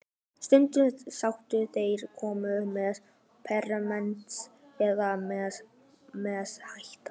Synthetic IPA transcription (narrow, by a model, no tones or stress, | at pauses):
st̪ʏnt̪ʏt̪sawht̪ʏθejɾ̥kʰɔːmʏʏmɛðð | pʰɛrːamɛnt̪sɛðamɛ | mɛshajht̪ḁ